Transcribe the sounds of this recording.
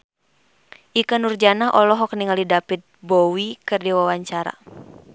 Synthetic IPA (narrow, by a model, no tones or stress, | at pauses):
ʔikənurd͡ʒanaʔɔlɔɦɔkniŋalidapit̪̚bɔwikɨrdiwawaɲt͡ʃaɾa̰